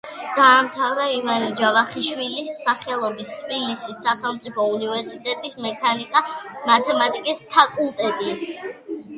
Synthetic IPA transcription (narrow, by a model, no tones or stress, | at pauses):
d̪̥aːmt̪ʰavɾaivanid͡ʒavaχiʃwilisːaχɛlˠɔbist̪ʰbilisisːaχɛlˠmt̪sʼipʰɔunivɛɾsit̪ʼɛt̪ʼismɛkʰanikʼamat̪ʰɛmat̪ʼikʼispʰakʼulˠt̪ʼɛt̪ʼi